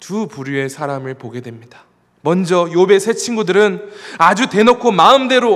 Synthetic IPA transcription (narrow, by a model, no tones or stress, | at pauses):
tupuɾjue̞sʰaɾamɯɭpoɡe̞dwe̞mɲida | mʌnd͡ʑʌjobe̞sʰe̞t͡ɕʰinɡudɯɾɯnad͡ʑute̞nokʰomaɯmde̞ɾo